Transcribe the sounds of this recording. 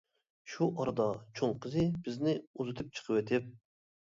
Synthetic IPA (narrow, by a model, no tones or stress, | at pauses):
ʃuʔɑɾɨd̪ɑt͡ʃʰoŋqʰəzɨbɪznɪuzɨt̪ʰɨp̚t͡ʃʰə̥qʰəwet̪ʰɪp̚